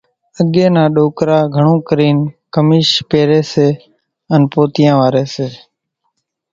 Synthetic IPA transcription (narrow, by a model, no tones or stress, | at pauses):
əɠeːnãːɗoːkɾaːɡʱəɳ̃õːkɾiːnkəmiːʃpeːɾeːseː | ənpoːt̪ɪjãːʋaːɾeːseː